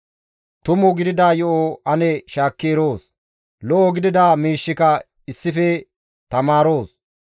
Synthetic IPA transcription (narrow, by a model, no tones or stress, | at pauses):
t̪ʊmʊɡɪd̪ɪd̪aːjɔʔoɐnɛʃaːkːeːɾoːs | lɔʔoɡɪd̪ɪd̪aːmiːʃːɪkɐ | ɪsːɪfɛ | t̪ɐmaːɾoːs